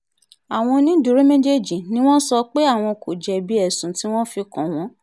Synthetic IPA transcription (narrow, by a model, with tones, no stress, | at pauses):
a˨w̃ɔ̃˧nĩ˦du˨˦ɾe˦mẽ˦d͡ʒe˦d͡ʒi˨nĩ˦w̃ɔ̃˦sɔ˧k͡pe˦a˦˨w̃ɔ̃˧ko˨d͡ʒɛ˧bi˦ɛ˦˨sũ˨ti˦w̃ɔ̃˦fi˧kɔ̃˨w̃ɔ̃˨˦